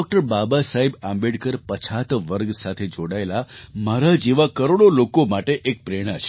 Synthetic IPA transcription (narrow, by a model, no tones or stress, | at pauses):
ɔk̚ʈəɾbabasaɦibãmbeɽkəɾpət͡ʃʰat̪ʋəɾɡsat̪ʰed͡ʒoɽaelamaɾad͡ʒeʋakəɾoɽolokomaʈeʔek̚pɾeɽ̃at͡ʃʰe̥